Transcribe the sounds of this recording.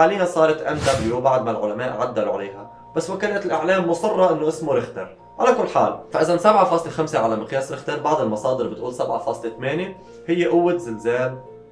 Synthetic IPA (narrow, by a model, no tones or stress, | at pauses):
aːliːhasˤɑːɾˤɑt̪ʔamd̪abljubaʕd̪malʕʊlamaːʔʕad̪ːaluʕa̰leːɦa | b̥asːwakaːnat̪ɪlʔɪʕleːmːʊsˤɑrˤːɑʔɪnːoʔɪsmoɾɪxt̪ɪɾ | ʕalakʊlːħa̰ːlfaʔɪzansabʕafɑːsˤlexamseʕalamɪqjaːsɾɪxt̪ɑɾˤbɑʕd̪ˤɪlmɑsˤɑːd̪ɪɾbɪt̪ʔuːlsabʕa̰fɑːsˤlet̪ameːne | hɪjːeʔʊwːɪt̪zɪlzeːl